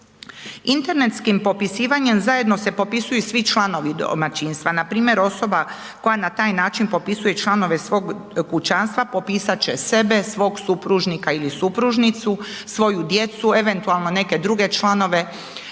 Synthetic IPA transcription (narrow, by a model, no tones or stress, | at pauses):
int̪e̞ɾne̞t̪skimpo̞pisiːʋaɲe̞mzaje̞d̪no̞se̞po̞pisujusʋit͡ʃlˠano̞ʋid̪o̰mat͡ɕiːnst̪ʋanapɾiːmje̞ɾo̞so̞ba | ko̞janat̪aːjnaːt͡ʃinpo̞pisuje̞t͡ʃlˠano̞ʋe̞sʋo̞ːɡkut͡ʃanst̪ʋapo̞piːsat͡ɕe̞se̞be̞sʋo̞ɡsupɾuʒnikailisupɾuʒnit̪susʋo̞jud̪je̞t̪sue̞ʋe̞nt̪ualˠno̞ne̞ke̞d̪ɾuɡe̞t͡ʃlˠano̞ʋe̞